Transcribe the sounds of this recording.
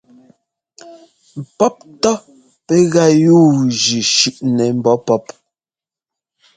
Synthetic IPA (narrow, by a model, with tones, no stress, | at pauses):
m̩˨pɔ˦p̚tɔ˦ | pɛ˦ɣa˦˨juː˦˨d͡ʒʉ˨ʃʉ˨ʔnɛ˨m̩˦bɔ˨˦pɔ˦p